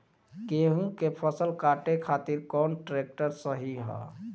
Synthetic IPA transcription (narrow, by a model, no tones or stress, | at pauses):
keɦũkepʰəsəlkaʈekʰat̪iɾkɔnʈɾek̚ʈəɾsəɦiɦɔ̰